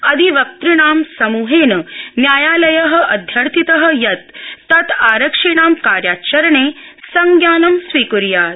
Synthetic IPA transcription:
ɐd̪ʱiʋɐk̚t̪ɾiɽaːmsɐmuːɦeːnɐnjaːjaːlɐjɐɦɐ̆ʔɐd̪ʱjɐɾt̪ʰit̪ɐɦɐ̆jɐt̪ːɐt̪aːɾɐkʂiːɳaːmkaːɾjaːt͡ʃɐɾɐɳeːsɐŋɡjaːnɐmsʋiːkuɾjaːt̪

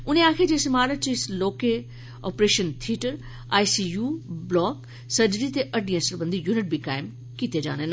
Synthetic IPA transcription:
ʊnẽãːkʰed͡ʑeːsɪmaːɾət͡ɕisloːke | ɔːpɾeːʃənt̪ʰiːʈəɾ | aːisiːjuːblɔːk | sɐd͡ʑɾit̪eʔɐɖʱĩə̃səɾbɐ̃nd̪ijuːnɪʈ̚bʱikaːɪm | kit̪ʰed͡ʑa̰ːnen

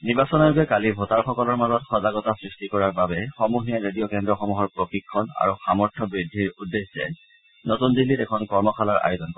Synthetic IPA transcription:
niɹbasɔnajkɛkalibʱotaɹxɔkɔlɔɹmazɔtxɔzaɡɔtasɹistikɔɹaɹbabɛxɔmuɦijaɹedijɔkɛndɹɔxɔmuɦɔɹpɹoxikʰːɔna̰ɹuxamɔɹtʰɔbɹidʱːiɹudːeszɛ̰ | notundilːitɛkʰɔnkɔɹmɔxʰalaɹʔa̰jozɔnkɔ

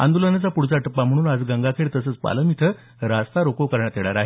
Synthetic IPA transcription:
a̰nd̪ulənat͡sapuɽt͡saʈəpːam̤əɽ̃uːnad͡zɡaŋɡakʰeɭt̪əsət͡spa̰ləmit̪ʰə | ɾast̪aɾokoʋkəɾɳjat̪eɭaɾaɦe

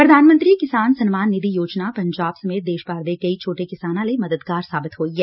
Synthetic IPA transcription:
pɾɐd̪ʱaːnmə̃nt̪ɾikɪsaːnsɐnmaːnːɪd̪ʱijoːd͡ʒnapɐ̃ɲd͡ʒaːbsɐmeːt̪̚d̪eːʃbaːɾd̪ekɐit͡ʃʰoːʈekɪsaːnãlemɐd̪əd̪ɡaːɾsaːbɪt̪ɦoːiɦɛː

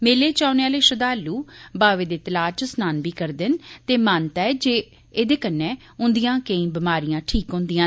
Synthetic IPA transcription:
meːleːt͡ʃaːʊneːaːleːʃəd̪aːlːuːbaːʋeːd̪eːt̪əlaːt͡ʃsnaːnbiːkəɾd̪ɪnt̪eːmaːnt̪ɛːd͡ʒeː | eːd̪eːkənːeː | ʊ̃nd̪ijãːkəĩːbɪmaːɾijãːʈʰiːkɦʊ̃nd̪ijãː

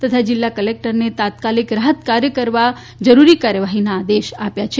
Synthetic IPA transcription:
t̪ət̪ʰad͡ʒɪlːakəlek̚ʈəɾnet̪at̪kalikɾaɦət̪kaɾjəkəɾʋa | d͡ʒəɾuɾikaɾjəʋaɦinaːd̪eʃapjat͡ʃʰe

